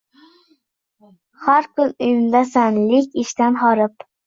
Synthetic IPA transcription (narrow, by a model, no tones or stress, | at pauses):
haɾkʰʊnʊjʊnd̪asanlɪkʲɪʃt̪anɦɒɾɪp